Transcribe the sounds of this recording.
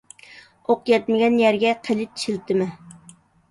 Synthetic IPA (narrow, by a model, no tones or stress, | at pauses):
oqjɛt̪mɪɡʲɛnjɛɾɡʲɛqʰəlɪt̪ʰi̥ʃilt̪ʰɪmɪ